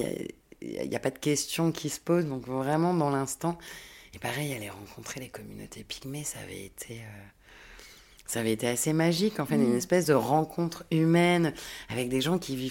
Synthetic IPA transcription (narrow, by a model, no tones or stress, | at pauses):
a̰ | a̰ḭlja̰pad̪əkʲɛst̪jɔ̃kʲʰisə̥pozd̪ɔ̃kvʁɛmɑ̃d̪ɑ̃lɛ̃st̪ɑ̃epaʁɛjalɛʁɑ̃kʰɔ̃t̪χelekɔmyno̰t̪ʰepʰi̥ɡmesa̰ːvɛ̰ḛt̪ʰeø | saːvɛet̪easemaʒikɑ̃fɛt̪ynɛspɛsd̪əʁɑ̃kʰɔ̃t̪χymɛnavɛk̚d̪eʒɑ̃kʲiviv